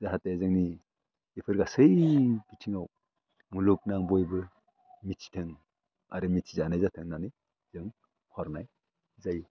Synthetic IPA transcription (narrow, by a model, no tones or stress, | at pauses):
zaɦatezɯŋni | ipʰɯɾɡasɯjɡitʰiŋaw | muluk̚naŋbɔjbɯ | mitsʰi̥tʰɯŋ | a̰ɾɯmitsʰi̥zanajzatʰɯŋnanɯj | z̥ɯŋ | hʰɔɾnaj | zaj